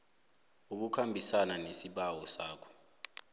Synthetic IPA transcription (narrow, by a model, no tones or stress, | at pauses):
uk̬ukʰambʱisananesiɓawɔsaːkʰɔ̥